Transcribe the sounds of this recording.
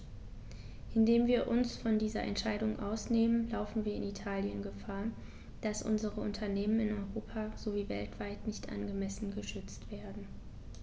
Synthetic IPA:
ʔɪndeːmviːɐʔʊnsfɔndiːzɐ̰ʔɛ̰ntʃaɪɾʊŋʔa̰ʊsneːmənlaʊfn̩viːɐɪnitʰaːljənɡəfaːɐ | d̥asʔʊ̰nzəʁəʔʊntʰɐneːmənɪnɔʏʁoːpʰaz̥oviːvɛ̰ltv̥aɪtnɪçtʔa̰nɡəmɛsn̩ɡəʃʏt͡stv̥eːɐdn̩

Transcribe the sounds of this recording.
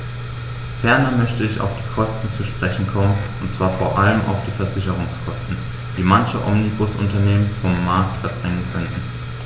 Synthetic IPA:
fɛɐnɐmœçtəɪça̰ʊfd̥iːkʰɔstn̩t͡suʃpʁ̥ɛçn̩kʰɔmənʔʊntt͡sv̥aːɐfoːɐʔaləmʔa̰ʊfd̥iːfɛɐzɪçəʁ̞ʊŋskʰɔstn̩ | d̥iːmançəʔɔ̰mnibʊsʔʊ̰ntɐneːmənfɔmːaɐk̚tfɛɐbʁɛŋənkʰœntn̩

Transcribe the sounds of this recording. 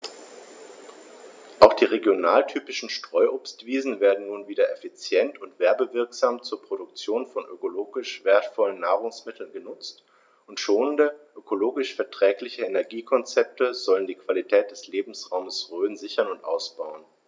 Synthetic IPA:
ʔaʊxd̥iːʁeɡjonaːltʰyːpɪʃn̩ʃtʁ̥ɔʏʔoːpstv̥iːzn̩veːɐdn̩nuːnviːdɐʔefit͡sjɛntʊntv̥ɛɐbəvɪɐkz̥aːmt͡suːɐpʁ̥oɾʊkt͡sjoːnfɔnʔø̰koloːɡɪʃv̥eːɐtfɔlənːaːʁʊŋsmɪtʰl̩nɡənʊt͡st | ʔʊntʃoːnəndəʔøkʰoloːɡɪʃfɛɐtʁ̥ɛːklɪçəenɛɐɡiːkʰɔnt͡sɛp̚təzɔləndiːkv̥alitʰɛːt̚d̥ɛsleːbm̩sʁaʊməsʁøːnzɪçɐnʊntʔa̰ʊsb̥aʊən

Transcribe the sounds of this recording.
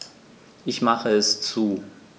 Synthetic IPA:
ʔɪçmaχəɛst͡suː

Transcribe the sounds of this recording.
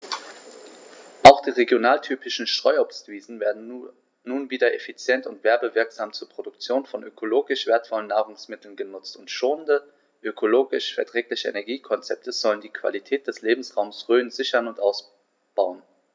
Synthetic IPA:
ʔaʊxd̥iːʁeɡjonaːltʰyːpɪʃn̩ʃtʁ̥ɔʏɔpstv̥iːzn̩veːɐdn̩ː | uːnviːdɐʔefit͡sjɛntʊntv̥ɛɐbəvɪɐkz̥aːmt͡suːɐpʁ̥odʊk̚t͡sjoːnfɔnʔøkʰoloːɡɪʃv̥eːɐtfɔlənːaːʁʊŋsmɪtl̩n̩ɡənʊt͡stʊntʃoːəndə | ʔøkʰoloːɡɪʃfɛɐtʁ̥ɛːklɪçəḛnɛɐɡiːkʰɔnt͡sɛp̚tʰəz̥ɔləndiːkʰv̥a̰litʰɛːt̚d̥ɛsleːbm̩sʁaʊmsʁøːnzɪçɐnʊntʔaʊs | b̥aʊən

